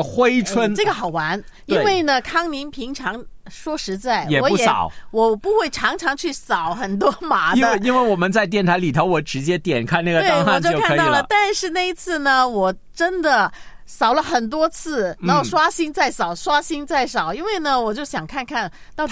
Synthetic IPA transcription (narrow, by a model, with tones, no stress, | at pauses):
xwe˥ɪʈ͡ʂʰwə˥nʈ͡ʂɤ˥˩ɡə˩xɑ˨˩ʊwa˧˥ni˥e˥˩we˥˩ɪnə˩kʰɑ˥ŋni˧˥npʰi˧˥ŋʈ͡ʂʰɑ˧˥ŋ | ʂwɔ˥ʂɻ̩˧˥t͡sa˥˩ɪjɛ˨˩wɔ˧˥u˥˩jɛsɑ̰˩˨˩ʊwɔ˨˩pu˧˥xwe˥˩ɪʈ͡ʂʰɑ˧˥ŋʈ͡ʂʰɑ˧˥ŋt͡ɕʰy˥˩sɑ˨˩˦ʊxə˨˩nt̪wɔ˥ma˧˥dnə˧e˥˧i˥nwe˥˩ɪwɔ˨˩mə˦nt͡sa˥˧ɪt̪jɛ˥˩nt̪ʰa˧˥ɪli˨˩t̪ʰo˧˥ʊwɔ˧˥ʈ͡ʂɻ̩˧˥t͡ɕjɛ˥t̪jɛ̰˨˩nkʰa˥˧na˥˩ɡə˧we˥˩ɪ˧wt͡ɕjo˥˧ʊo˥˧kʰa˥˧t̪lə˩t̪a˥˧nʂɻ̩˥˧na˥˩i˥t͡sʰɹ̩˥˩nə˩wɔ˨˩ | ʈ͡ʂə˥nd̪ə˨˩ | sɑ˨˩ʊlə˦xə˨˩nt̪̬wɔ˥t͡sʰɹ̩˥˩a˥˩ʂwa˥ɕi˥nt͡sa˥˩ɪsɑ˨˩ʊʂwa˥ɕi˥nt͡sa˥˩ɪsɑ˨˩ʊi˥nwe˥˩ɪnə˩wɔ˨˩t͡ɕjo˥˩ʊɕjɑ˨˩ŋkʰa˥˧nkʰa˥˩n | t̪ɑ˥˧ʊ